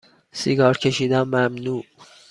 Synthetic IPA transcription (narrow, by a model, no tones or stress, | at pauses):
siɡɒːɾcʰe̞ʃiːd̪æmːæmnuː